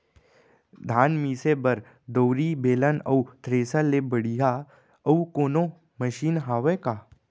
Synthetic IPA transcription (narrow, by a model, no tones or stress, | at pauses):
d̪ʱaːnmiːsebɐɾ | d̪əwɾibeːlənɐut̪ɾeːsalebəɽija | ɐukoːno | məʃiːnɦaːʋekaː